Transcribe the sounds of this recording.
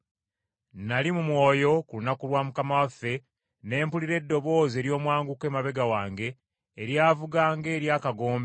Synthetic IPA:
nalimumwo̞ːjo̞kulunakulwaːmukamawafːe̞ | ne̞ːmpuliɾe̞dːo̞βo̞ːze̞ːɾjo̞ːmwaːŋɡuke̞ːmaβe̞ɡawaːŋɡe̞ː | ɾjaːvuɡaːŋɡe̞ːɾjaːkaɡo̞ːmbe

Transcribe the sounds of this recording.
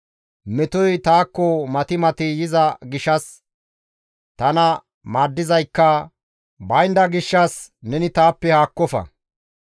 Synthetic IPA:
mɛt̪ɔjt̪aːkːɔmɐt̪ɪmɐt̪ɪjɪzɐɡɪʃɐs | t̪ɐnɐ | maːd̪ːɪzɐjkːɐ | bɐjnd̪ɐɡɪʃːɐsnɛnɪt̪aːpːɛhaːkːɔfɐ̰

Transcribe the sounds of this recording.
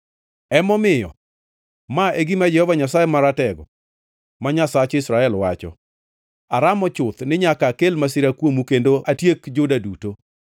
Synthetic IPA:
ɛmɔmɪjɔ̰ | maeɡimad͡ʒɛhɔvaɲasaemaɾatɛɡɔ̰ | maɲasat͡ʃɪsɾaɛlwa̰t͡ʃɔ̰ | aɾamɔt͡ʃʊt̪nɪɲakakelmasɪɾakwomukendoʔatjekd͡ʒʊdaduto

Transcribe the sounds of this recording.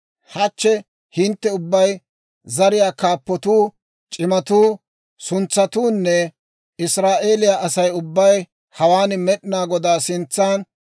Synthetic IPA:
hɐt͡ʃːɛ | hɪnt̪ːɛʊbːɐj | zɐɾɪjaːkaːpːɔt̪uː | t͡ʃʼɪmɐt̪uː | sʊnt͡sːɐt̪uːnːɛ | ɪsɾaːʔe̞ːlɪjaʔɐsɐjʊbːɐj | hɐwaːnmɛɗɪnaːɡɔd̪aːsɪnt͡sːaːn

